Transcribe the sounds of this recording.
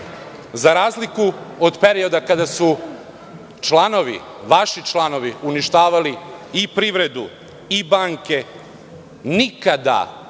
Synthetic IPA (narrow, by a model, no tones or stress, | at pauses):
zaɾaːzlikuod̪peɾio̞d̪akad̪asu | t͡ʃlˠano̞ʋḭ | ʋaʃit͡ʃlˠano̞ʋiuniʃt̪aːʋaliipɾiʋɾe̞d̪u | ibaːŋke̞ | nikad̪a̰